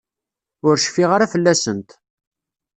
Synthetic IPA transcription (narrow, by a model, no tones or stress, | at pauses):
ʊɾʃfiʁaɾafəlːæsənt̪